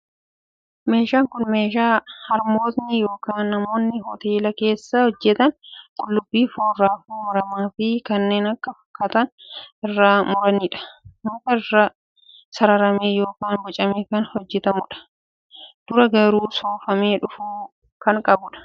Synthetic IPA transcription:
me̞ːʃaːŋkʊnme̞ːʃaːhɐɾmo̞ːt̪nɪjo̞ːkaːnːɐmo̞ːnːɪɦɔt̪e̞ːlɐke̞ːsːɐhɔd͡ʒːɛt̪ɐnkʼʊlːʊbːiːfoːraːfuːmɐɾɐmaːfɪkɐnːe̞ːnɐkːɐfɐ̥kːɐt̪ɐnɪrːaːmʊɾɐniːᶑɐ̥nʊːt̪ɐrːa | sɐɾɐɾɐme̞ːjo̞ːkaːnbɔt͡ʃʼɐmeːkɐnhɔd͡ʒːɛt̪ɐmʊᶑɐ̥ | d̪̥ʊɾɐɡɐɾuːsoːfɐme̞ːᶑʊfuː | kɐŋkʼɐbʊᶑɐ̥

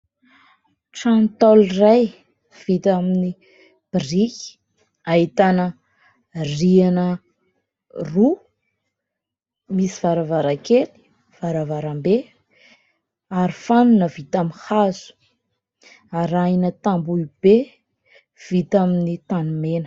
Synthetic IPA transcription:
ʈ͡ʂant̪ɔlraj | v̥it̪amini | b̥irikʲi̥ | ait̪anə | rianə | ru | misivaɾavaɾakeli̥ | v̥aɾavaɾambe | aɾifanunəvit̪amihazu̥ | aɾajnət̪ambuib̥e | v̥it̪aminit̪anumenə

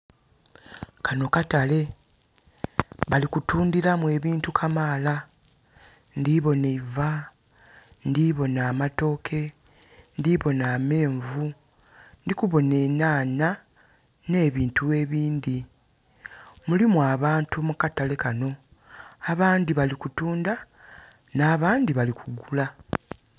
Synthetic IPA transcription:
kʰano̞katale̞ | βalikutuːndiɾamwe̞ːβiːntukʰamaːla | ndiβo̞neva | ndiβo̞naːmato̞ːkʰe̞ | ndiβo̞naːme̞ːɱvu | ndikuβo̞ne̞ːnaːna | ne̞ːβiːntue̞βiːnd̪i | mulimuaβaːntumukatale̞kano̞ | aβaːndiβalikutuːnda | naːβaːndiβalikuɡula

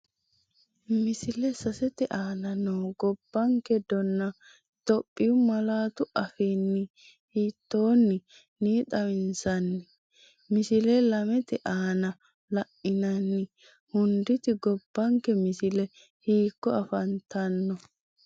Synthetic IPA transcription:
mɪsɪlɛsɐsɛt̪ɛʔaːnɐnoːɡɔb̥ːɐŋkɛd̪ɔnːɐ | t̪ɔpʼːɪjʊmɐlaːt̪ʊʔɐfinːɪ | hiːt̪ːoːnːɪ | niːt̪ʼɐmɪnsɐnːɪ | mɪsɪlɛlɐmɛt̪ɛʔaːnɐ | lɐʔɪnɐnːɪ | hʊnd̪ɪt̪ɪɡɔb̥ːɐŋkɛmɪsɪlɛ | hiːkːɔɐfɐnt̪ɐnːɔ

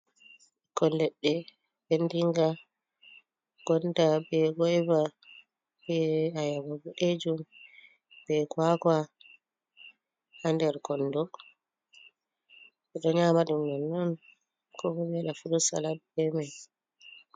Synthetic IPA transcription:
ɛkɔldɛɗːɛ | bendiŋɡa | ɡ̥ɔndabɛɡɔjva | bɛajabɔɡɔʔed͡ʒum | bɛkwaka | handɛɾkɔnːdɔ | ɓɛɗɔɲamaɗumnɛnːɔn | kʰɔmɔbɛɗafuɗusa̰labɛmaj

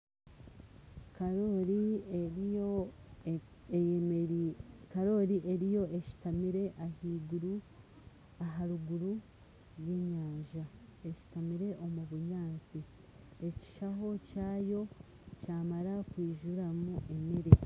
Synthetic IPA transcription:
kɾoɾi | kaɾo̞ɾiʔeɾijo̞ʔeʃi̥tamiɾe̞ʔahiːɡuɾu | aɦaɾuɡuɾu | ɾweːɲaːɲʒae̞ʃi̥tamiɾe̞ʔo̞muβuɲaːnsi | e̞ci̥ʃaɦo̞caːjo̞ | caːmaɾakwiːʒuɾamuʔe̞meɾe

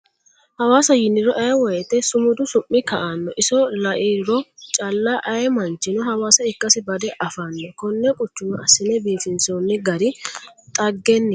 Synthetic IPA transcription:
hɐwaːsɐjɪnːɪɾɔʔɐjwɔjɛt̪ːɛsʊmʊd̪ʊsʊmːɪkɐʔanːɔʔɪsɔlɐʔɪɾɔt͡ʃʼɐlːaʔɐjmɐnt͡ʃːɪnɔhɐwaːsɐɪkːɐsɪbɐd̪ɛʔɐfanːɛkɔnːɛkʼʊt͡ʃːʊmɐɐsɪnɛbiːfɪnsoːnːɪɡɐɾɪt̪ʼɐɡːɛnːɪ

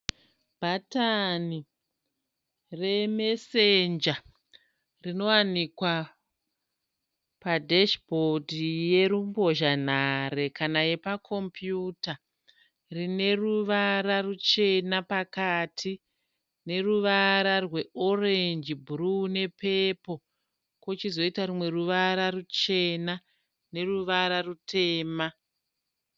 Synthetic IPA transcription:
b̥ʱatani | re̞me̞send͡ʒa | rino̞wanikwa | padʱeʃbʱodʱije̞ɾumbo̞ʒan̤are̞kanajepakʰo̞mpʰjuta | rine̞ruʋaɾarut͡ʃe̞napakaːtʰi | ne̞ruʋaɾarwe̞o̞rend͡ʒibʱurune̞pepo̞ | kwot͡ʃizo̞itaɾumwe̞ruʋaɾarut͡ʃe̞na | ne̞ruʋaɾarutʰe̞ːma

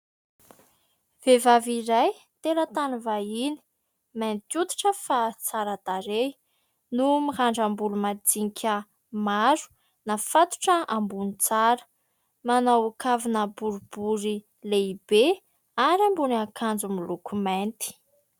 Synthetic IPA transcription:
v̥evaviɾaj | t̪elət̪anuvaini̥ | ment̪ut̪u̥ʈ͡ʂəfat͡saɾəd̪̥aɾe | numihaɳɖ͡ʐambulumad͡ziŋkʰʲə | maɾu̥ | nafat̪u̥ʈ͡ʂəambunit͡saɾə̥ | manawukavinəbuɾub̥uɾi | leibe | aɾiambunakʰand͡zumilukument̪i̥

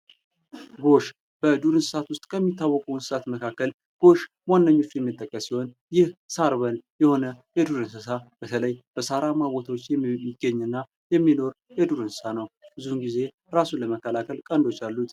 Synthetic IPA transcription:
ɡo̞ʃ | b̥əd̪uɾɨnsɨsat̪wʊst̪ʼkʰəmːit̪ːawːəkʼunsɨsat̪məkʰakːəl | ɡ̥o̞ʃ | manːəɲːo̞t͡ʃːjɛmːɨt̪ʼːəkʼːəsiho̞n | jɪhsaɾβənjɛho̞nəjɛd̪uɾɨnsɨsab̥ət̪ʰələjb̥əsaɾamabo̞t̪ʰwot͡ʃːɛmːiɡːəɲːɨnːa | jɛmːino̞ɾ | jɛd̪uɾɨnsɨsanəwb̥ɨzuhunɡize̞ | ɾasuləməkːəlakʰəlkʼənd̪o̞t͡ʃːalːut̪ʼ

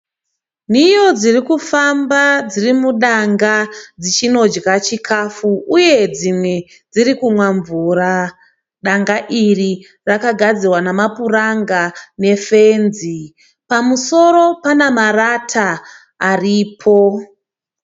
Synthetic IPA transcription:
nijo̞d͡zirikufambad͡zirimuɗaŋɡad͡zit͡ʃino̞d͡ʒɡat͡ʃikʰafuuje̞d͡zimwe̞ | d͡ziɾikumwaɱvura | ɗaŋɡaʔiri | rakaɡʱad͡zirwanamapuraŋɡane̞fe̞nzi | pamuso̞ɾo̞panamaratʰaː | riːpʰo̞

